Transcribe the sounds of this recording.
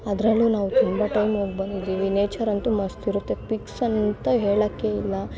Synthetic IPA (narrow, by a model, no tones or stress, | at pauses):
ɐd̪ɾɐlːunaːʋut̪umbɐʈɐjmɦoːɡ̚bɐnd̪id̪iːʋineːt͡ʃɐɾɐnt̪umɐst̪iɾut̪ːe̞piksɐnt̪ɐɦeːɭɐkːeilːɐ